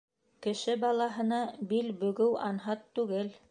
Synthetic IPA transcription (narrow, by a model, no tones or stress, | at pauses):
kɘ̆ʃɘbɑlˠɑɦɤ̆nɑbilbɵ̆ɡɘwɑnɦɑt̪ːʉɡɘl